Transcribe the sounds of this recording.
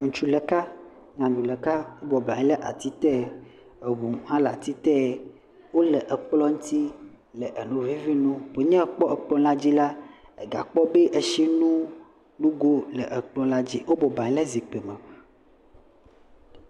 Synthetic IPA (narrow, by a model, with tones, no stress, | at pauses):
ŋ̩̃˨t͡ʃu˦lɛ˨ka˦ | ɲã˨d̪u˨lɛ˨ka˦wo˦bɔ˨blã˨ɲ˦lɛ˦ʔa˨t̪i˦t̪ɛ˦˨ | e˨βu˨hã˦la˨t̪i˦t̪ɛ˦˨ | wo˦lɛ˨ʔə˨k͡plɔ˦ŋũ˦t̪i˦ | lɛ˨ʔə˨nũ˨vi˦vi˦nũ˦pe˨ɲɛ̃˦˨k͡pɔ˦ə˨k͡plɔ̃˦la˦d͡ʑi˦la˦e˨ɡa̰˨k͡pɔ˦be˦ʔe˨ʃi˦nũ˦ | lu˦ɡo˦lə̰˨ʔə˨k͡plɔ̃˦la˦d͡ʑi˦wo˦bɔ˨bã˨ɲ˦lɛ˦zi˨k͡pe˨me˨